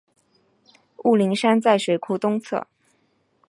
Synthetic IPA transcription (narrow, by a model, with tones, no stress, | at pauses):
u˥˩li˧˥ŋʂa˥nt͡sa˥˩ɪʂwe˧˥ɪkʰu˥t̪ʊ˥ŋt͡sʰɤ̰˥˩